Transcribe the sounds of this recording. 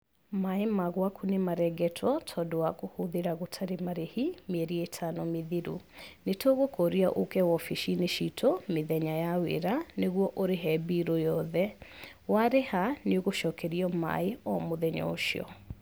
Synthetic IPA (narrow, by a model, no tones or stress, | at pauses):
maemaɣwakunemaɾɛɡɛtʰwɔtʰɔdowakohoðeɾaɣotʰaɾemaɾehimeɛɾietʰanɔmeðiɾṵnetoɣokɔɾiaʔokɛwɔfiʃineʃitʰomeðɛɲajawḛɾaneɣwɔʔoɾeɦɛbiɾojɔðɛ | waɾehaneoɣoʃɔkɛɾiɔma̰eɔmoðɛɲɔ̰oʃiɔ̰